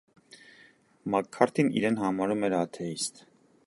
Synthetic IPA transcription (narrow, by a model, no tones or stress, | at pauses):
mɑkʰːɑɾt̪ʰinḭɾɛnhɑmɑɾumɛɾɑt̪ʰɛist̪